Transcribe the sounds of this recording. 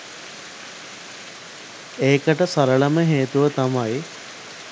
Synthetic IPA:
eːkəʈəsaɾəɭəməɦeːt̪uʋət̪amaj

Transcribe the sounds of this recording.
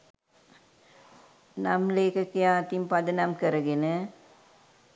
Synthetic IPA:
nɐmleːkɐkːijaːt̪impɐd̪ɐnɐmkɐɾɐɡenə

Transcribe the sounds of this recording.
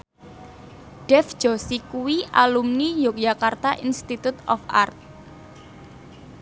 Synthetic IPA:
ɖ̥ɛfd͡ʒ̥ɔsikuwiʔalumnijʊk̚d͡ʒakart̪aʔinst̪it̪ut̪ɔ̰fa̰rt̪̚

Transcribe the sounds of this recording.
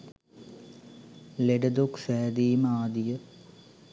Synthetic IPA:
leɖəd̪oksæːd̪iːməaːd̪ijə

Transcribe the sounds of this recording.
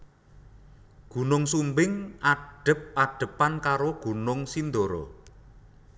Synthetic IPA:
ɡ̥ṳnʊŋsumbɪŋaɖ̥ə̤p̚ʔaɖ̥ə̤pankaɾoɡ̥ṳnʊŋsind̪oɾɔ̰

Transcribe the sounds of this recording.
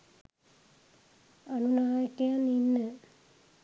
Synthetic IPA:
anunaːjəkejaninːə

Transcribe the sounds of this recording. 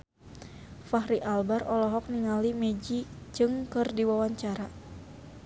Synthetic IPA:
faɦɾiʔalbarɔlɔɦɔk̚niŋalimɛd͡ʒid͡ʒɨŋkɨrdiwawaɲt͡ʃaɾa

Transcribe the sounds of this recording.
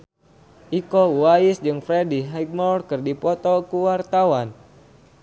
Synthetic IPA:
ʔikɔwaisd͡ʒɨŋfɾɛdiɦaɡ̚mɔrkɨrdipɔt̪ɔkuwart̪awan

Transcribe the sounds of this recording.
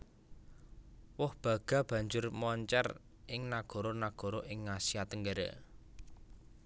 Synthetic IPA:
wʊhb̥ä̤ɡ̥a̤b̥ä̤ɲd͡ʒʊrmɔɲt͡ʃɛ̰r | ɪŋnaɡ̥o̤ɾonaɡ̥o̤ɾoʔɪŋːasijat̪əŋɡaɾa̰

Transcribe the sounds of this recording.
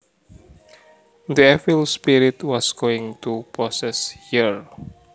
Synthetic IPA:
d̪iɛfilspiɾit̪wɔsɡoɪ̃ŋt̪upɹɔsɛshiəɹ

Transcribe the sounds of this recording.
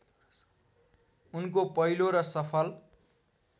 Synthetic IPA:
unkopʌɦiloɾʌsʌpʰʌl

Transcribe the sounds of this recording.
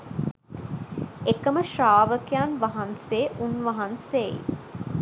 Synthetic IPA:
ekəməʃaːʋəkejanʋaɦanseʔunʋaɦanseḭ

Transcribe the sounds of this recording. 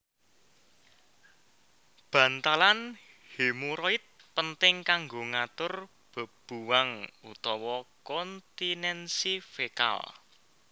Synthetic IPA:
b̥ä̤nt̪alan | hemuɾɔit̪̚ | pənt̪ɪŋkaŋɡoŋat̪ʊr | b̥ə̤b̥uwaŋut̪ɔwɔkɔnt̪inɛnsifeka̰l

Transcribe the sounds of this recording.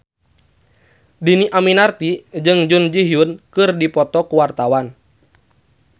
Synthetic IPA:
diniʔaminart̪id͡ʒɨŋd͡ʒund͡ʒiɦjunkɨrdipɔt̪ɔkuwart̪awan

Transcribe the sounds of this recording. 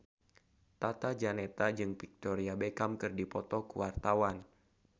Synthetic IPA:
t̪at̪ad͡ʒanet̪ad͡ʒɨŋpik̚t̪ɔɾiabekamkɨrdipɔt̪ɔkuwart̪awan

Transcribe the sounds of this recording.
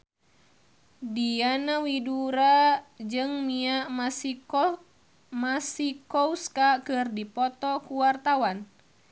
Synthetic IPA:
dianawiduɾad͡ʒɨŋmiaʔmas | masikɔuskakɨrdipɔt̪ɔkuwart̪awan

